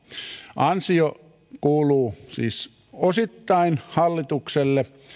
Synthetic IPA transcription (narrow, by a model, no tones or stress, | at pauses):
ʔɑnsio | kuːluːsḭːs | osit̪ːɑinhɑlːit̪ukselːe